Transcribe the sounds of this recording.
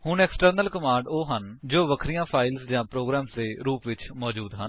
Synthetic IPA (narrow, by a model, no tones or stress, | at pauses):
hʊɳɛːksʈəɾnəlkəmãːɳɖoːɦənd͡ʒoːʋəkʰɾijãːpʰaːɪlsd͡ʒãːpɾoːɡɾaːmsd̪eːɾuːpʋɪt͡ʃmɔːd͡ʒuːd̪ɦən